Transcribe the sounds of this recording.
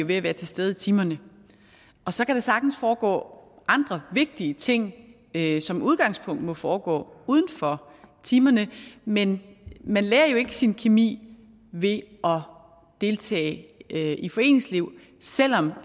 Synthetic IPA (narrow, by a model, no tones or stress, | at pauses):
o̝ʋe̝æʋæːɐt͡sʰe̝sd̥eð̞ˠit͡sʰiːmɐnə | ɒ̽sɒ̽kæɾ̥äsɑ̈ɡ̥n̩sfɒːɡ̥ɔ̰ːʔɑ̈nd̥ʁɐʋe̝ɡ̥̚d̥iət͡sʰe̝ŋ̰ | sɒ̽mʔuð̞ˠɡ̥ɑ̈ŋspʰɔ̽ŋ̰d̥mɒ̽fɒːɡ̥ɔ̰ːuð̞ˠn̩fɒ̽ | t͡sʰiːmɐnəmenmænleːɐjo̝e̝ɡ̥əsinkʰemḭː | ʋe̝ʔɒ̽ | d̥e̝lt͡sʰɛ̰ː | ifɒ̽e̝̰ːne̝ŋsliʊ̰ | sel̰ɒ̽m